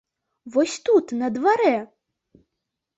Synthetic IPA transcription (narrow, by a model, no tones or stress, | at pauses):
vɔsʲt̪ut̪nɐd̪vaɾɛ